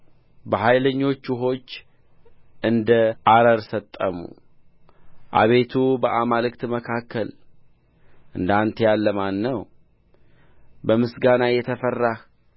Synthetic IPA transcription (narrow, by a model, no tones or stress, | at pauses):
bəɦajləɲːo̞t͡ʃːɪɦo̞t͡ʃː | ʔɨnd̪əʔaɾəɾsət̪ʼːəmṵ | ʔa̰βe̞t̪ʰubəʔamalɨkt̪məkʰakʰːəl | ʔɨnd̪ant̪ʰejalːəmanːəw | bəmɨsɡanajɛt̪ʰəfərːah